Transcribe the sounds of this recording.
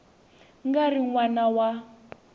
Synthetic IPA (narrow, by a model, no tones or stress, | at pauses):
ŋɡariŋwanawa